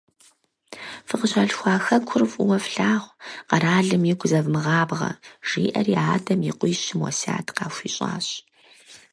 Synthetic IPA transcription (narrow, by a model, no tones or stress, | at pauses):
fɨqəɕɐɬxʷɑːxɐkʷʰʊrvwɐfɬaːʁʷqɐɾaːɮɨmjiɡʷʊzɐvmɨʁɑːbʁɐ̰ʒ̥ḭːʔɐriaːdɐmjɪqʷʼʊːɕɪmwɔ̰sa̰ːtʰqɑːxʷiːɕʼa̰ːɕ